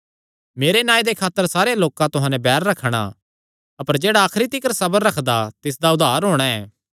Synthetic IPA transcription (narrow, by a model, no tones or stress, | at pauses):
meːɾenãːid̪ekʰaːt̪ːəɾsaːɾejaloːkãt̪ʊɦãːnɛ̃bɛːɾːɐkʰɽ̃a̰ | ɐpəɾd͡ʒeːɽaːkʰɾit̪ɪkəɾsɐbəɾːɐkʰd̪at̪ɪs̬d̪aʊd̪ʱaːɾɦoːɽ̃aɛː